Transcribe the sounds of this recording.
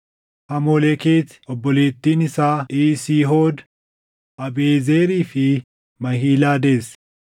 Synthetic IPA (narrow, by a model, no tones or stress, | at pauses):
hɐmoːlekeːt̪ | ɔbːɔleːt̪ːiːnɪsaːʔiːsiːɦoːd̪ | ʔɐbeːzeːɾiːfɪ | mɐhiːlaːd̪eːs